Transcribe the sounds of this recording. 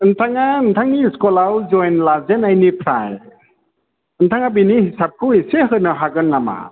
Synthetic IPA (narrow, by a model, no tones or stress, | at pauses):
ɯnt̪ʰaŋant̪ʰaŋiskɔlawd͡ʒɔjnlazɛnajnipʰɾa̰j | ɯnt̪ʰaŋabinihisap̚kʰɯiseɦɯnaɦaɡɯnːama̰